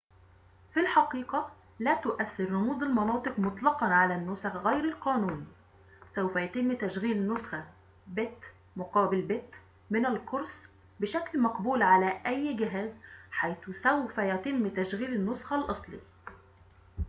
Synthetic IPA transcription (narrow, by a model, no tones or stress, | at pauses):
filħɑqiːqɑ | læːt̪ʊʔæθːɪɾːʊmuːzˤɪlmɑnɑːt̪ˤɨqmʊt̪ˤlɑqɑnʕalænːʊsaxɣæjɾɪlqɑːnuːn | sawfæjæt̪ɪmːt̪æʃɣiːlɪnːʊsxa | bɪt̪ː | mʊqɑːbɪlbɪt̪ː | mɪnɪlkʊɾs | bɪʃæklmɑqbuːlʕalæʔæjːɡɪɦæːzħajθʊsæwfæjæt̪ɪmːt̪æʃɣiːlɪnːʊsxɑlʔɑsˤlḭ